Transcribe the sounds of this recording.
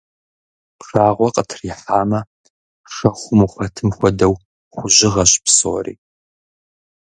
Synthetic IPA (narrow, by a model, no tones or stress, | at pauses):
pʂaːʁʷɔqʼətʰriħaːmɐ | ʂɐχʷʊmuχʷɐtʰɨmxʷɔdɐw | χʷʊʑɪʁɐɕpso̰ːrḭː